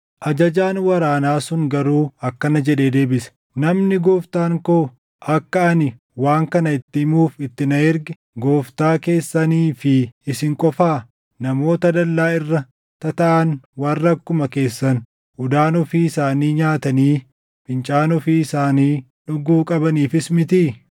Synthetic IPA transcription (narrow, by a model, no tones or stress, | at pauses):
ʔɐd͡ʒɐd͡ʒaːnwɐɾaːnaːsʊŋɡɐɾuːɐkːɐnɐd͡ʒɛᶑe̞ːd̪e̞ːbɪsɐ̥ | nɐmnɪɡoːft̪aːŋkoː | ʔɐkːɐɐnɪ | waːŋkɐnɐɪt̪ːɪmuːfɪt̪ːɪnɐɪɾɡɪ | ɡoːft̪aːke̞ːsːɐniːfɪɪsɪŋkʼɔfaː | nɐmo̞ːt̪ɐd̪ɐlːaːɪrːɐ | t̪ɐt̪ɐʔɐnwɐrːɐkːʊmɐke̞ːsːɐn | ʊd̪aːnɔfiːɪsaːniːɲaːt̪ɐniː | bɪnt͡ʃʼaːnɔfiːɪsaːniː | ᶑʊɡuːkʼɐbɐniːfɪsmɪt̪iː